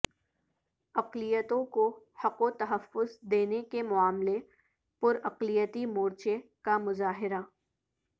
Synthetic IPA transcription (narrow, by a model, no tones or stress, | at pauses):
ɐqlijət̪õko | hɐqot̪ɐɦəfːʊzd̪eːnekemʊaːmle | pʊɾɐqlijət̪imoːɾt͡ʃekamʊzaːɦɪɾa